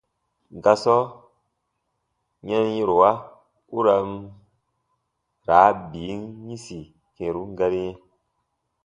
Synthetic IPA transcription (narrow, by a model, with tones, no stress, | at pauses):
ŋ˨ɡa˧sɔ˦ | ɲa˦n˦ĩ˦ɾo˨wa˦ | u˦ɾa˧m | ɾaː˨˦biː˨˦nɲĩ˦si˨ | kẽ˨ɾu˦ŋ˦ɡa˧ɾi˦jɛ̃˦